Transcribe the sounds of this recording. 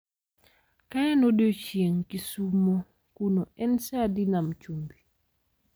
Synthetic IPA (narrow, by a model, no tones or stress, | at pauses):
kajanodot͡ʃieŋkisumːo | kunɔʔɛnsadinamt͡ʃumbi